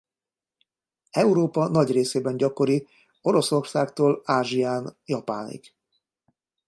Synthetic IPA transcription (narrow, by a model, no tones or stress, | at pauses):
ɛuɾoːpɒnɒɟreːseːbɛnɟɒko̞ɾi | o̞ɾo̞so̞rsaːkt̪oːlaːʒiaːnjɒpa̰ːnḭɡ